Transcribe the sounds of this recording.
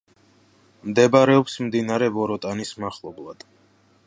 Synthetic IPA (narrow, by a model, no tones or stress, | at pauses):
md̪ɛbaɾɛɔpsmd̪inaɾɛbɔɾɔt̪ʼanismaχlˠɔblˠad̪̥